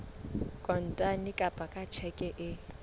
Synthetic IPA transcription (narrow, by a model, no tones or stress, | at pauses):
kʼɔn̩tʼanikʼapʼakʼat͡ʃʰɛkʼɛʔɪ